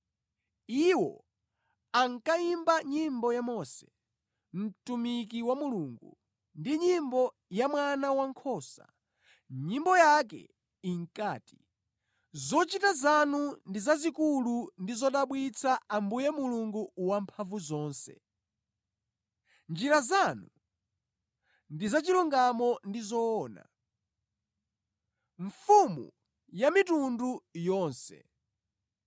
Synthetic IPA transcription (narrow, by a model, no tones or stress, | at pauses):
iwɔ̰ | aŋkaimbaɲimbɔjamɔːsɛ̥ | m̩tumik̬iwamuluːŋɡṵ | ndiɲimbɔ | jamwanawaŋkʰɔːsa̰ | ɲimbɔjakɛ̰ | iŋkaːti̥ | zɔt͡ʃitazanundizazikulundizɔɗaɓwit͡sʰaambujɛmuluŋɡuwampʰaɱvuzɔːnsɛ̰ | nd͡ʒiɾazanu | ndizat͡ʃiluŋɡamɔndizɔːna̰ | ɱfumṵ | jamitundujɔːnsɛ̰